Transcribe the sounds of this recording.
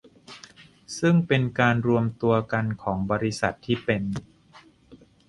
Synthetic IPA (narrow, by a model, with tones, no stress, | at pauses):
sɯ˥˩ŋpe˧nkaː˧nɾu˧əmt̪u˧ɐka˧nkʰɔː˩˦ŋbɔː˧ɾi˦˥sa˨˩t̪ʰːiː˥˩pe˧n